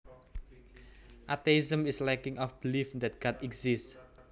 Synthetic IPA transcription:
ʔat̪eizə̃mislɛkɪ̃ŋɔfb̥ilifd̪ɛt̪̚ɡ̥atɛɡziss

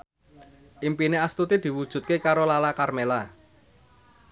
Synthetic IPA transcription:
ʔimpineast̪ut̪id̪̥i̤wud̥ʒ̥ṳt̪̚kekaɾolalakarmela

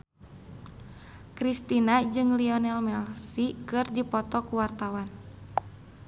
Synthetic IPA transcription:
kɾist̪inad͡ʒɨŋliɔnɛlmɛlsikɨrdipɔt̪ɔkuwart̪awan

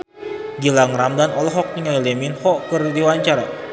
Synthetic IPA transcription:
ɡilaŋɾamdanɔlɔɦɔk̚niŋajlɛminhɔkɨrdiwaɲt͡ʃaɾa

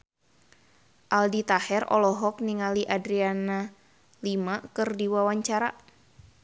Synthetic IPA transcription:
ʔaldit̪ahɛrɔ̰lɔɦɔk̚niŋaliʔadɾiana | limakɨrdiwawaɲt͡ʃaɾa̰

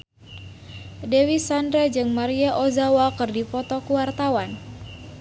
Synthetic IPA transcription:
dewisandɾɛd͡ʒɨŋmaɾiaʔozawakɨrdipɔt̪ɔkuwart̪awan

